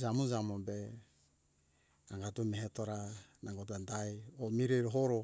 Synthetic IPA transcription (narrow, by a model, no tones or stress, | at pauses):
zamunzamobe | aŋɡatumeɦetoɾanaŋɡot̬andajomiɾejɾoɦoɾo